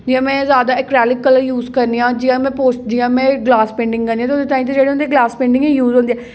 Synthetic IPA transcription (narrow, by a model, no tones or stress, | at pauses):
d͡ʒiãːmɛ̃ːzjaːd̪aːɪkɾɛːlɪkːələɾjuːzkəɾniːãːd͡ʒijãːmɛ̃ːpoːsʈd̪iːãːmɛ̃ːɡlaːspɛ̃ːɳɖɪ̃ŋɡkənd̪ĩj̃ːt̪od̪eːt̪aːĩːt̪ed͡ʒeːɽeʊnd̪eːɡlaːspɛ̃ːɳɖɪ̃ŋɡɛ̃juːzɦõːnd̪eɛː